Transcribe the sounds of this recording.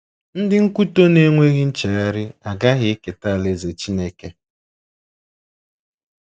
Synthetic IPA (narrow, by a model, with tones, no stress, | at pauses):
n̩˦dɪ˦ŋ̩˦ku˦to˦ne˦ŋʷe˦ɣɪ˦n̩˦t͡ʃe˨a˦ɾɪ˦a˨ɡa˦ɣɪ˦e˦ke˨ta˦˨le˦ze˨t͡ʃi˦ne˦ke˨